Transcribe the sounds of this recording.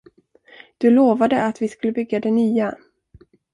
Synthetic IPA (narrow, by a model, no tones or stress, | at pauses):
d̪̥ɵloːvad̪əat̪vɪskɵlːəbʏɡːad̪ɛnyːa